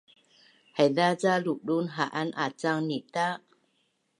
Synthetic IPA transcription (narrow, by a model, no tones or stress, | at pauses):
haðat͡salulunɦa̰ʔana̰t͡saŋnit̪a